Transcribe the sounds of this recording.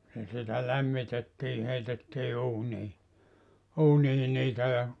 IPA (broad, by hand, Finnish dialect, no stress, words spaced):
jɑ sitæ læmːitetːiː heitetːiː uːniː uːniː niːtæ jɑ